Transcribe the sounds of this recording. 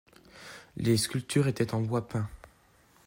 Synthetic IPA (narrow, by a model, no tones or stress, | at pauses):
leskʲylt̪ʰyʁet̪ɛt̪ɑ̃bwapɛ̃